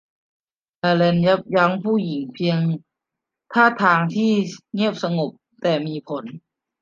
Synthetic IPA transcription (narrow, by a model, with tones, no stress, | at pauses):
ʔaː˧le˧nja˦˥p̚ja˦˥ŋpʰuː˥˩ji˩˦ŋpʰi˧əŋ | t̪ʰaː˥˩t̪ʰaː˧ŋt̪ʰiː˥˩ŋi˥˩əp̚sa˧ŋo˨˩p̚ | t̪ɛː˨˩miː˧pʰo˩˦n